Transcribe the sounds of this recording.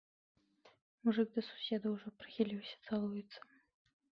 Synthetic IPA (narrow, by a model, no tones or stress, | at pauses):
muʐɨɡ̚d̪ɐsu̥sʲed̪ɐuʐɔpɾɨ̥xʲilʲiwsʲɐ̥t̪salˠujɛt̪sːɐ̥